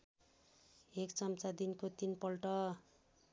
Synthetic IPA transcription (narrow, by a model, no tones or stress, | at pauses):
ekt͡sʌmt͡sad̪inkot̪inpʌlʈʌ